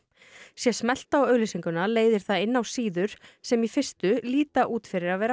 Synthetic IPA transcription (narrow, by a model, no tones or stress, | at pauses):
sjɛsmɛl̥t̪awœɥlɪsiŋkʏnaleːjðɪɾ̥θaðɪnːawsiːðʏɾ̥sɛmifɪr̥st̪ʏliːt̪aʔuːt̪fɪɾɪɾaðvɛːɾa